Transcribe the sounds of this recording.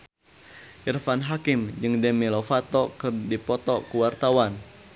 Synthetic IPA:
ʔirfanɦakɪmd͡ʒɨŋdɛmilofat̪ɔkɨrdipɔt̪ɔkuwart̪awan

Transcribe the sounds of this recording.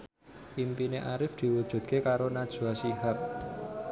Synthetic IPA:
impineʔaɾɪfd̪̥i̤wud̥ʒ̥ṳt̪̚kekaɾonad̥ʒ̥uasiɦak̚

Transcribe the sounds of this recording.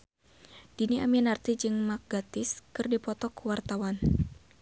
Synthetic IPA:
d̥iniʔa̰minart̪id͡ʒɨŋmak̚ɡ̥at̪ɪskɨrdipɔt̪ɔkuwart̪awan

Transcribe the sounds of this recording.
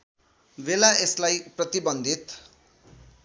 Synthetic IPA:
belaʔeslajprʌt̪ibʌnd̪ʱit̪

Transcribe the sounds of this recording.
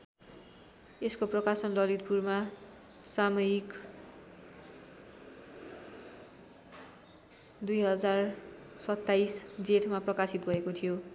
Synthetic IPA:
eskoprʌkasʌnlʌlit̪̚purma | samʌjik | d̪ujɦʌd͡zar | sʌt̪ːajsd͡zeʈʰmaprʌkasit̪ɡʌekot̪ʰijo

